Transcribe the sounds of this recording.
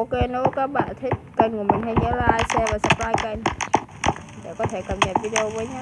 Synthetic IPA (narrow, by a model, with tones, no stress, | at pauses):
ʔo˧ke˧nɔ˧˦kaː˦˥k̚ɓa̰ː˧˨nt̪ʰï˦˥k̚kə˧jŋku˧˩mï˨˩ŋ̟ɦa̰˧˩jɲə̰˧˥laː˨˩ʔaː˧jsɛ˧vaː˨˩sə˨˩p̚laː˧jkə˧jn | ɗḛ˧˩kɔ˨˦t̪ʰe˧˩kəː˨˩m̚ɲə˨˩p̚vi˧ɗe˧o˧wvəː˨˦jɲa˦